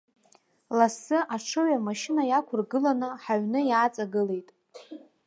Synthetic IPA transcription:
lasɨʔaʈ͡ʂʰɨʕamaʃɪnajakʷʰʊrɡɨlanɨħaɥnɨjat͡sʼaɡɨle̞jtʼ

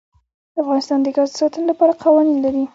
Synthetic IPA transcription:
d̪əafɣɑnɪst̪ɑnd̪əɡɑzd̪əsɑt̪ənolapɑɾaqʰawɑninlaɾi

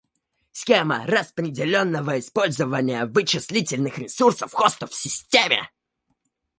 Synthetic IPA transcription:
sʲxʲemə̰rəspɾʲɪdʲɪlʲonːəvəɪspo̞lʲzəvənʲɪjəvɨt͡ɕːɪsʲlʲitʲɪlʲnɨxɾʲɪsursəfxost̪əfsʲɪsʲtʲemʲɪ̰

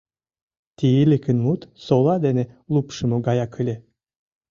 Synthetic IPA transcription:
t̪ijilʲekɘnmut̪solˠɑd̪enelˠupʃɨ̆moɡɑjakʰɯlʲe

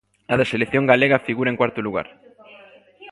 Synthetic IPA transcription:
aðeselekθjõŋɡaleɣɐfiɣuɾɐeŋkwaɾt̪ʊluɣa̰ɾ

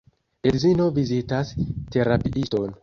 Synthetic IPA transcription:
elzino̞vizitaste̞ɾapiʔisto̞n

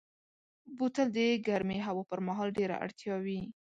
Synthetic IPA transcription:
but̪əld̪əɡaɾmeɦawɑpəɾmaɦɑlɖeɾa̰ʔa̰ɽt̪jɑwi

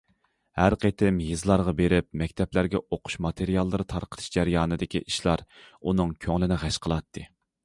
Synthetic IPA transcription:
hæɾqʰet̪ʰɪmjɨzlˠɑɾʁɑbeɾɪp̚mɛkʲt̪ʰɛplæɾɡʲɛʔoqʰʊ̥ʃmɑt̪ʰeɾijɑlˠːɨɾɨt̪ʰɑɾqʰə̥t̪ʰɨ̥ʃd͡ʒæɾjɑːnɨd̪ɪkʲiʔiʃlˠɑɾunɨŋkʲʰøŋlɪnɪʁæʃqʰəlˠɑt̪ʰːɨ

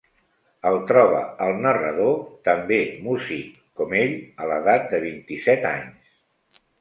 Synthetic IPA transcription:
əlˠt̪ɾɔβ̞ə̰əlˠnərəðot̪əmbemusi | kɔmeʎələðat̪̚d̪əβint̪isɛt̪a̰ɲs

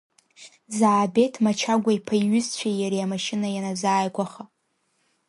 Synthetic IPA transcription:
zaːbe̞tʰmat͡ʃʰaɡʷaipʰajɥʏzt͡ɕʷʰajaɾiamaʃɪnajanazaːjɡʷaχa

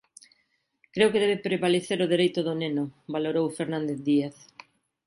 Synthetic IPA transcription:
kɾewkeðɛβepɾeβaleθeɾʊðeɾejt̪ʊðʊnenʊβaloɾowfeɾnãnd̪eθðiaθ

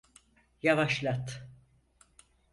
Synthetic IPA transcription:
javaʃlˠat̪

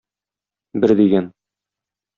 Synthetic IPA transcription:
bɘɾd̪iɡæn

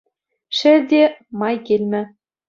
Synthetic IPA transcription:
ʃɘ̆rd̪ʲemɑjkʲelʲmʲɘ̆

